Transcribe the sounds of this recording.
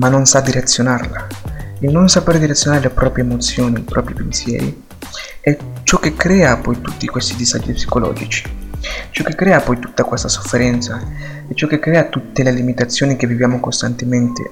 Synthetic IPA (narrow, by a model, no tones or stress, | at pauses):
manːonsad̪ːiɾat̪sːjonarlailnonsapeɾed̪iɾat̪sjonaːɾelepɾɔːpɾjeːmot̪sːjoːniipɾɔːpɾipensjɛ̰ːɾḭ | ɛt͡ʃɔkːekːɾɛːapɔjt̪ut̪ːikwest̪id̪iza̰d͡ʒːipsi̥kolɔ̰ːd͡ʒit͡ʃi̥t͡ʃɔkːekːɾɛːapɔjt̪u̥t̪ːakwest̪aso̥fːeɾɛnt̪sa | ɛt͡ʃːɔkːekːɾɛːat̪ut̪ːelelimit̪at̪sːjoːnikevːivjaːmokost̪ant̪ement̪ḛ